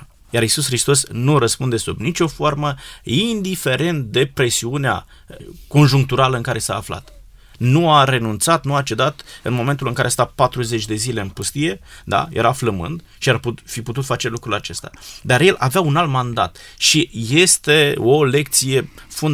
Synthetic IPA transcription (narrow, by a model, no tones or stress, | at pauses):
jaɾisusxɾist̪o̞snuɾəspund̪esubnit͡ʃʲo̞fo̞rməind̪ife̞ɾe̞nt̪d̪e̞pɾe̞siunea̰ | ko̞nʒuŋk̚t̪uɾaləɨŋkaɾʔe̞saːfla̰t̪ | nuaɾe̞nunt̪sat̪nuat͡ʃe̞d̪at̪ɨnmo̞ment̪ulɨŋkaɾeast̪apat̪ɾuzet͡ʃʲd̪e̞zile̞ɨnpust̪ije̞d̪a̰jeɾafləmɨ̰nd̪ | ʃiarpufiput̪ut̪fat͡ʃe̞lukɾulat͡ʃe̞st̪a̰d̪aɾje̞lʔaveaunalt̪mand̪a̰t̪ʃije̞st̪e̞o̞le̞k̚t̪sije̞fun